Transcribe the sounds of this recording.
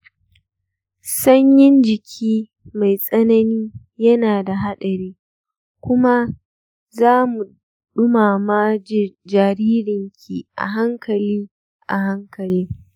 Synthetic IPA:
sɐ˦ɲjɪ˦nd͡ʒɪ˨kʲʰiː˦ | ma˨jsʼɐ˦nɐ˦niː˦ | jɐ˦naː˨da˨ɦa˦ɗɐ˨ɾiː˦ | kʷʊ˦ma˦ | zaː˦mu˨ | ɗʊ˦maː˨ma˦d͡ʒaː˨ɾiː˦ɾɪ˨ŋkʲʰḭ˨ʔa̰˨ɦa˦ŋkɐ˨liː˦ | ʔa̰˨ɦa˦ŋkɐ˨liː˦

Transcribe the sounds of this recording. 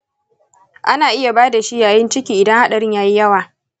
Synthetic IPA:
ʔa˦naː˨ʔɪ˦ja˨baː˦da˨ʃi˦jaː˨jɪ˦nt͡ʃɪ˦kʲiː˨ʔɪ˨dɐ˦ŋha˦ɗa˨ɽɪ˦ɲjaː˦ji˦jɐ˦waː˨

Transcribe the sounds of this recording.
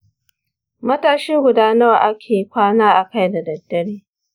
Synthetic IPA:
mɐ˦taː˦ʃɪ˦ŋɡʷʊ˨daː˦nɐ˦wa˨ʔa˦kʲʰeː˨kʷaː˦naː˦ʔa˨ka˦jda˨dɐ˨dːɐ˨ɽeː˦

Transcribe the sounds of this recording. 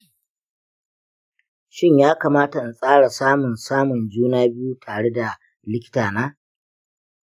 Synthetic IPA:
ʃɪ˦˨ɲjaː˦kaː˨maː˦ta˨sʼaː˦ɽa˨saː˦mʊ˨nsaː˦mʊ˨nd͡ʒuː˦naː˦bɪ˦ju˦tʰaː˨ɽe˦da˨ | lɪ˦kʲɪ̥˦taː˨naː˦

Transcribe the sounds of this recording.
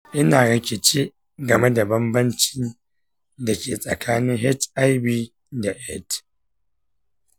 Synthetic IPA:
ʔɪ˦naː˨ɽɐ˨kʲe˨t͡ʃeː˦ | ɡɐ˨me˦da˨bɐ˦mbɐ˦nt͡ʃiː˦ | da˨kʲeː˨sʼɐ̰˨kʰaː˦nɪ˦ŋɦɛ˦tʔa˦jbi˦ | da˨ʔɛ˦t

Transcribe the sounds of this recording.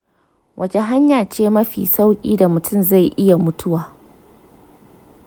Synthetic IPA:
wʔɐ˨d͡ʒe˨ɦa˦ɲjaː˨t͡ʃeː˦mɐ˦ɸḭː˨sa˦wkʲʼḭː˦da˨mʊ˨tʰʊ˦mza˦˨jʔɪ˦ja˨mʊ˦tʰʊ˦waː˨

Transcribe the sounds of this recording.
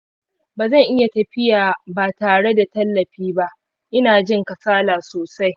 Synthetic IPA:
baː˨zɐ˦˨ŋʔɪ˦ja˨tɐ˨ɸɪ˦jaː˨baː˨taː˨ɽe˦da˨tɐ˦lːɐ˨ɸiː˦ba˦ʔ | ʔɪ˦naː˨d͡ʒɪ˦ŋkɐ˨saː˦laː˨soː˨sa˦j

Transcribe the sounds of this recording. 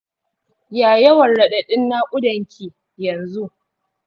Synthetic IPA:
jaː˨jɐ˦wɐ˨nɽɐ˨ɗɐ˨ɗɪ˦nːa˦kʷʼʊ˦dɐ˨ŋkʲʰiː˨ | jɐ˨nzu˦

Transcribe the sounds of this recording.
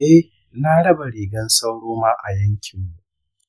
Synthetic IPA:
ʔɛ˦ | naː˦ɽɐ˦ba˨ɽeː˨ɡɐ˦nsa˦wɽoː˦maː˦ʔa̰˨jɐ˦ŋkʲʰɪ˨mːu˨˦ʔ

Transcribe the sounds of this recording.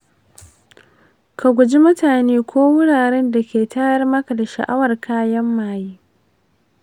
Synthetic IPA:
kʰa˨ɡʷʊ˨d͡ʒi˦mʊ˦taː˨neː˦kʷʰoː˦wʊ˦ɽaː˨ɾɛ˦nda˨kʲeː˨taː˦jɐ˦rmɐ˦ka˨da˨ʃɐ̰˨ʔa˦wɐ˨rkʰaː˦jɐ˦mːaː˨jiː˦

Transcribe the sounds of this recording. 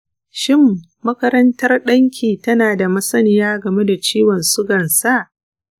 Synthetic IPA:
ʃɪ˦˨mː | ɐ˦kɐ˦ɾɐ˦ntɐ˦rɗɐ˦ŋkʲiː˨tɐ˦naː˨da˨mɐ˦sɐ˦nɪ˨jaː˦ɡɐ˨me˦da˨t͡ʃiː˦wɔ˨nsʊ˦ɡɐ˨nsa˦ʔ

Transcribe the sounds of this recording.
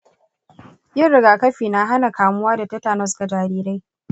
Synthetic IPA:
jɪ˦˨ɽɪ˨ɡaː˨kɐ˦ɸiː˨na˦ɦa˦na˨kaː˨mʊ˦waː˦da˨tɐ˦taː˨nɐ˦ska˨d͡ʒaː˨ɾiː˦ɾa˦j

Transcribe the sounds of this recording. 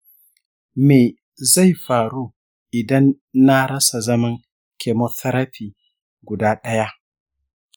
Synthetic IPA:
meː˨ | za˦˨jɸaː˨ɾuː˦ | ʔɪ˨dɐ˦nː | a˦ɾɐ˦sa˨zɐ˦mɐ˦ŋ | kʲʰe˨mo˦tɐ˦ɾɐ˦ɸiː˨ | ɡʷʊ˨daː˦ɗɐ˦ja˦ʔ

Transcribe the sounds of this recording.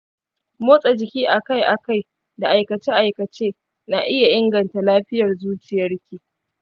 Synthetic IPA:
moː˦sʼa˨d͡ʒɪ˨kʲiː˦ʔa˨ka˦jʔa˨ka˦˨j | da˨ʔa˨jkɐ˨t͡ʃeː˦ʔa˨jkɐ˨t͡ʃeː˦ | na˨ʔɪ˦ja˨ʔɪ˦ŋɡɐ˨nta˨laː˦ɸɪ˦jɐ˨rzuː˦t͡ʃɪ˨jɐ˦rkʲiː˨

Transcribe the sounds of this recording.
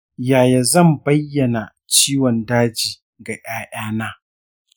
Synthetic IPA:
jaː˨ja˨zɐ˦˨mbɐ˦jːɐ˨na˨ | t͡ʃiː˦wɔ˨ndaː˦d͡ʒiː˨ | ɡa˨ʔaː˦ʔaː˦naː˦

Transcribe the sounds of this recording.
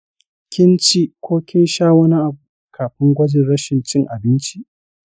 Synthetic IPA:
kʲɪ˦nt͡ʃi˦kʷʰoː˦kʲɪ˦nʃaː˦wɐ˦ni˦ʔa˨bu˨ | kʰaː˨ɸɪ˦ŋɡʷɐ˦d͡ʒɪ˨nɽɐ˦ʃɪ˨nt͡ʃɪ˦ŋʔa˨bɪ˦nt͡ʃi˦ʔ

